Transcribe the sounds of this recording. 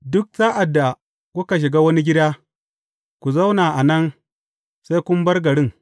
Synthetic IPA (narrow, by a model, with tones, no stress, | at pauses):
dʊ˦k̚z̥aː˦ʔa˨dːa˨ | ku˦ka˨ʃ̬ɪ˨ɡaː˦wɐ˦ni˦ɡʲɪ˦daː˦ | kʷu˨za˦wnaː˨ʔa˨nɐ˦ŋ | sa˦jkʷʊ˦m˦bɐ˦rɡɐ˨ɽɪ˦ŋ